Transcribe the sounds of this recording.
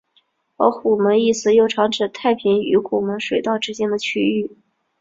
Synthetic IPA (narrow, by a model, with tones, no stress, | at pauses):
ə̰˧˥xu˨˩mə˧˥ni˥˩sɹ̩˧˥jo˥˩ʊʈ͡ʂʰɑ˧˥ŋʈ͡ʂɻ̩˨˩t̪ʰa˥˩ɪpʰi˧˥ny̰˧˥xu˨˩mə˧˥ŋʂwe˨˩ɪt̪ɑ˥˧ʊʈ͡ʂɻ̩˥t͡ɕjɛ˥nd̪ə˨t͡ɕʰy˥y˥˩